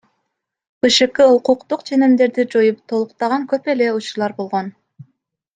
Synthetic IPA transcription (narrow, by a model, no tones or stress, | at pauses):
b̥ɯʃɯqɯuquqt̪uqt͡ʃʰe̞nimd̪e̞ɾd̪id͡ʒo̞jup̚t̪ʰo̞lˠuqt̪ɑʁɑŋkøpe̞le̞ut͡ʃuɾlˠɑɾbo̞lˠʁon